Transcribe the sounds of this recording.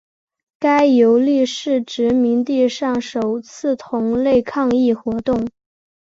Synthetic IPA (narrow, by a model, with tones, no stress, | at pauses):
ka˥ɪjo˧˥ʊli˥˧ʂɻ̩˥˩ʈ͡ʂɻ̩˧˥mi˧˥ŋt̪i˥˧ʂɑ˥˩ŋʂo˨˩ʊt͡sʰɹ̩˥˩t̪ʰʊ˧˥ŋle˥˧ɪkʰɑ˥˧ŋi˥˩xwɔ˧˥t̪ʊ˥˩ŋ